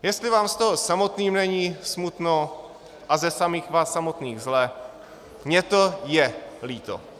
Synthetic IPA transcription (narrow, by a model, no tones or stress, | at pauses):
jɛst̪lɪvaːmst̪oɦosamo̞t̪niːmnɛɲiːsmut̪no | ʔazɛsamiːxvaːsːamo̞t̪niːɣzlɛ | mɲɛt̪o̞jɛliːt̪o̰